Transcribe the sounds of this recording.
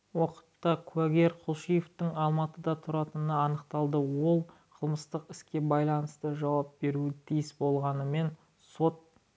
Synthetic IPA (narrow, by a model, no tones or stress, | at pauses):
wo̞qə̥t̪ːɑkʰuæɡʲe̞ɾqʰʊlˠʃijeft̪ɪŋɑlˠmɑt̪əd̪ɑt̪ʰʊɾɑt̪ənəɑnəqt̪ɑlˠd̪əwo̞lˠ | qʰəlˠməst̪əqɪskʲe̞bɑjlˠɑnəst̪əʒɑwɑp̚be̞ɾuɪt̪ʰijɪsbo̞lˠʁɑnəme̞n | so̞t̪̚